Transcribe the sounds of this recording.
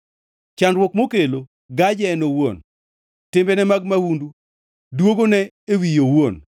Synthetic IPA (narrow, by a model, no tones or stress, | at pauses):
t͡ʃanɾwɔkmokelo | ɡad͡ʒɛnowo̰n | tɪmbɛnɛmaɡmawundu | dwoɡonɛ | ewijowon